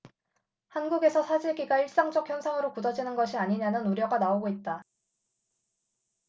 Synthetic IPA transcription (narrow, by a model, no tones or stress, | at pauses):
hanɡuɡe̞sʰʌsʰad͡ʑiɭɡiɡaiɭs͈aŋd͡ʑʌk̚ʰjʌnsʰaŋɯɾokudʌd͡ʑinɯnɡʌɕʰiaɲiɲanɯnuɾjʌɡanaoɡoit̚t͈a